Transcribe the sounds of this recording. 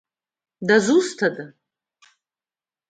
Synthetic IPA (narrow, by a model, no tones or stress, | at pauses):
dazustʰada